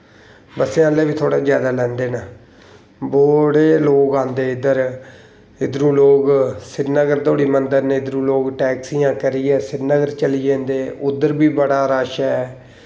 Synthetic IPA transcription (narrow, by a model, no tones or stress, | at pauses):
bəseãːlːeːʋiːt̪ʰoːɽaːd͡ʒjaːd̪aːlɛ̃ːnd̪eːnaː | boːɽeːloːɡãːnd̪eːɪd̪əɾ | ɪd̪ɾũːloːɡsɪɾnəɡəɾt̪oːɽiːmənd̪əɾneːɪd̪ɾũːloːɡʈɛːksiːãːkəɾiːɛːsɪɾnəɡəɾt͡ʃəliːd͡ʒẽːnd̪eːʔʊd̪əɾbiːbəɽaːɾaːʃɛː